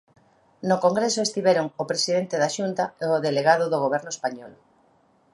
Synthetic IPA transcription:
nʊkoŋɡɾesoest̪iβɛɾoŋopɾesiðent̪eðaʃunt̪aeoðeleɣaðʊðoɣoβ̞ɛɾnʊespaɲɔl

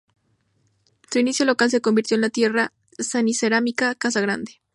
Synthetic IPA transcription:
suinisjo̞lo̞kals̬e̞ko̞mbiɾt̪joenlat̪je̞ra | saniseɾamikakas̬aɣɾa̰nd̪e

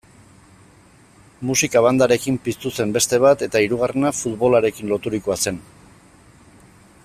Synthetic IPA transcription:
musikaβ̞and̪aɾe̞kimpist̪use̞mbe̞st̪e̞β̞at̪e̞t̪aiɾuɣ̞are̞nafut̪βo̞laɾe̞kinlo̞t̪uɾikoase̞n

